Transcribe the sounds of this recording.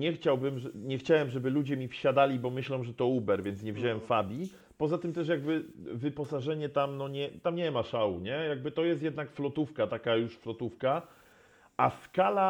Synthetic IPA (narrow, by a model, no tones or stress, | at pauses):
ɲɛxt͡ɕawbɘmʐɛɲɛxt͡ɕawɛmʐɛbɘlud͡ʑɛmʲifɕad̪alʲibɔmɘɕlɔ̃w̃ʐɛt̪ɔubɛɾvʲjɛnt̪ɲɛvʑawɛmfabʲi | pɔzat̪ɘmt̪ɛʂjaɡbɘvɘpɔsaʐɛɲɛt̪amnɔɲɛt̪amɲɛmaʂawuɲɛjaɡ̚bɘt̪ɔjɛst̪jɛd̪nakflɔt̪ufkat̪akajuʂflɔt̪ufka | askala